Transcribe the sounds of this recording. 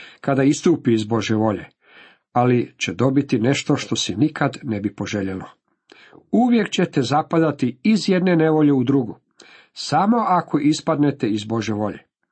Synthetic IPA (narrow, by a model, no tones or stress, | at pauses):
kad̪aist̪uːpiːzbo̞ʒjeʋo̞ʎḛ | alit͡ɕed̪o̞bit̪ine̞ʃt̪o̞ʃt̪o̞sinikʰad̪ne̞bipo̞ʒe̞ʎelo | uʋje̞kt͡ɕet̪e̞zapad̪at̪iizje̞d̪ne̞ne̞ʋo̞ʎe̞ud̪ɾuɡu | samo̞ʔako̞ʔispad̪ne̞t̪eizbo̞ʒjeʋo̞ʎe̞̰